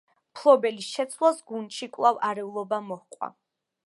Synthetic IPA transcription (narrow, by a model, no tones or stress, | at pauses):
pʰlˠɔbɛlisʃɛt̪sʰlˠasɡunt̪ʃikʼwlˠavaɾɛulˠɔbamɔhqʼwa̰